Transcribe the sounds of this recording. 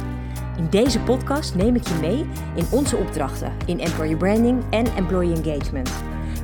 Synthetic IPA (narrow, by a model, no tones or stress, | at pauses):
ɪndejzəpɔtkɑstnejmɪkjəmej | ɪnɔnzəɔbdrɑχtə̰ | ɪnɛmplɔjəbɹɛndɪŋɛnɛ̰mplɔjɛnɡejt͡ʃmənt